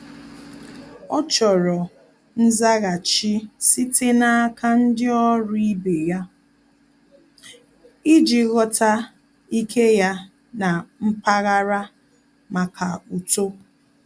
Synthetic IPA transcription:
ɔ˦t͡ʃɔ˨ɾɔ˨ | n̩˦za˦ɣa˨t͡ʃi˦si˦te˦na˦a˦ka˦n̩˦dɪ˦ɔ˦ɾi˦be˨ja˦ | i˦d͡ʒi˨ɣɔ˦ta˦ | i˦kʰe˦ja˦ | na˨m̩˦pa˦ɣa˦ɾa˦ | ma˨kʰa˨u˨to˦

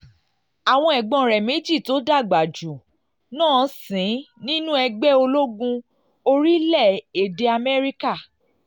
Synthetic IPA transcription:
a˨w̃ɔ̃˧ɛ˨ɡ͡bɔ̃˨˧˨ɾɛ˨me˨˦d͡ʒi˦˨to˨˦da˦˨ɡ͡ba˨d͡ʒu˨ | nãː˦˨˦sĩ˨˦nĩ˦nũ˦ɛ˧ɡ͡bɛ˦o˧lo˦ɡũ˧ | o˧ɾi˦lɛ˦˨e˨de˧a˧mɛ˦ɾi˦ka˦˨

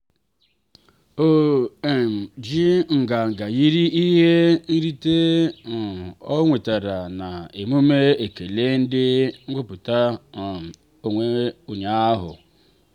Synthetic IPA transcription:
o˦e˨m˨d͡ʒi˦ŋ̩˨ɡa˨ŋ̩˨ɡa˨ji˦ɾi˦i˦ɦe˦n̩˦ɾi˦te˦˨ | ɔ˦ŋʷe˨ta˨ɾa˨na˨e˨mu˦me˦e˨ke˨le˦n̩˦dɪ˦ŋ̩˦ɡ͡bʊ˦pʊ˨ta˦˨ | o˨ŋʷe˦u˨ɲa˦a˦ɦʊ̰˨

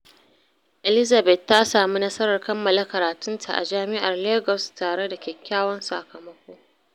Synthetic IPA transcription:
ʔɛ˨lɪ˦za˨bɛ˨tːa˦saː˨mi˦nɐ˦sɐ˦ɾɐ˨rkɐ˦mːɐ˨la˦kɐ˨ɾaː˨tʊ˦ntʰa̰˨ʔa̰˨d͡ʒaː˦mɪ˦ʔa˨rleː˦ɡɔ˨staː˨ɽe˦da˨kʲɛ˨kʲːaː˦wɔ˦nsa˨kɐ˨mɐ˦kʷoː˦

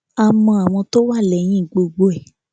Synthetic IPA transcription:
a˨mɔ̃˧a˨w̃ɔ̃˧to˦wa˦˨lɛ˨j̃ĩ˦i˦˨ɡ͡bo˧ɡ͡bo˧ɛ˨

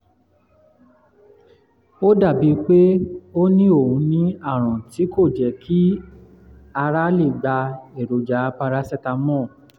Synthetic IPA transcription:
o˦da˦˨bi˨˦k͡pe˦o˦nĩ˦o˦˨hũ˨˧˦nĩ˦a˦˨ɾ̃ɔ̃˨ti˨˦kʰo˦˨d͡ʒɛ˨˦kʰi˦ | a˧ɾa˦le˦˨ɡ͡ba˧e˨ɾo˨d͡ʒa˨˦pa˧ɾa˦sɛ˦˨ta˧mɔ̃˦˨

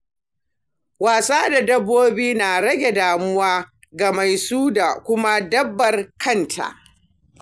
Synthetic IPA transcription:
waː˨saː˦da˨dɐ˦bːoː˦biː˦naː˨ɽɐ˦ɡʲe˨daː˨mʊ˦waː˦ | ɡa˨ma˨jsuː˦da˨kʷʊ˦ma˦dɐ˦bːɐ˨rkɐ˦ntʰa̰˨ʔ

